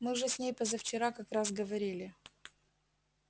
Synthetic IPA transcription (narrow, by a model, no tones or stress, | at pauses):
mɨʐɨsʲnʲejpəzəft͡ɕɪɾakɐkɾasɡəvɐɾʲilʲɪ